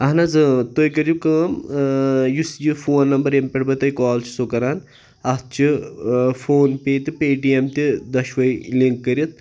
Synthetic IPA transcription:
ɐɦnɐzɨt̪ojkɐɾd͡ʒikɐm | jusjifoːnːɐmbɐɾempʲeʈbɐt̪ɐjkaːlt͡ʃʰi̥soːkɐɾaːn | ɐs̚t͡ʃʰi | fʰoːnpeːt̪ɨpeːʈiemt̪id̪ɐʃʋɐjliŋkːɐɾʲit̪̚

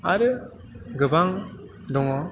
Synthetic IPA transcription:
aɾɯ | ɡɯbaŋ | d̪ɔŋɔ

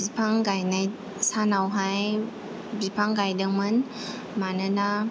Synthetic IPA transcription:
bipʰaŋɡajnaj | sanawɦaj | bipʰaŋɡajdɯŋmɯn | manɯna

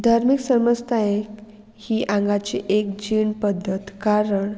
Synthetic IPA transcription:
d̪ʱaɾmiksəməst̪ʰajek | hiːʔãŋɡat͡ɕeʔek̚d͡ʑiɳpəd̪ʱːət̪kaɾəɳ

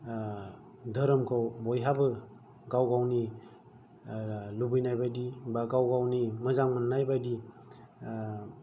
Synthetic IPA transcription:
dʱəɾəmkʰawbɔjɦabɯ | ɡawɡawni | lubɯjnajbajdibaɡawɡawnimɐzaŋmannːajbajdi

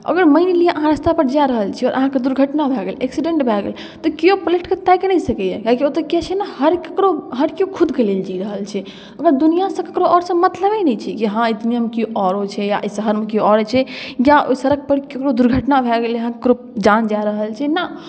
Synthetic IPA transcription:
ə̰ɡəɾməɪnlieʔəɦãɾəst̪ʰapəɾd͡ʒaɾəɦəlt͡ʃʰɛɔːɾʔəɦãked̪uɾɡʱəʈnabʱɛɡeleksiɖẽɳʈbʱɛɡḛl | t̪ɔkiopoleʈket̪ajkenɛisəkɛjɛkakiot̪əkɛt͡ʃʰɛnahəɾkəkɾoɦəɾkiokʰud̪ʱkeleld͡ʒiɾəɦəlt͡ʃʰɛ | əɡəɾd̪unijasə̃kəkɾoʔɔɾsə̃mət̪ləbenɛt͡ʃʰɛkiɦãit̪niəmekioʔɔɾot͡ʃʰɛja̰ʔsəɦəɾmekioɔɾt͡ʃʰɛjaosəɾək̚ʰpəɾkekɾod̪uɾɡʱəʈnabʱɛɡeləɦãkəkɾo | d͡ʒand͡ʒaɾəɦəlt͡ʃʰɛna

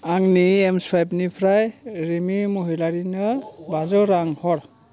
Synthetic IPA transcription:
aŋniemswajpnipʰɾajɾimimuɦilaɾinɯbazɔɾaŋhɔɾ

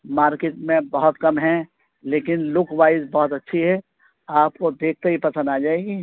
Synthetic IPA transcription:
maːɾkeːʈmẽbɐɦʊt̪kɐmɦɛ̃ | leːkɪnlʊkʋaːɪzbɔɦʊt̪ɐtːʃʰiɦɛ | aːp̚kod̪eːk̚ʰt̪eɦipɐsə̃nd̪aːd͡ʒaːeːɡiː

